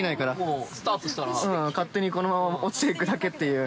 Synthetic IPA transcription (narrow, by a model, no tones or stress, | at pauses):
inaikaɾaost̪at̪o̥t̪aɾɯ̃ːkat̪ːe̞ɲ̟iko̞no̞mamaot͡sɨ̥ekɯ̟d̪ake̞t̪ːe̞jɯ̟ː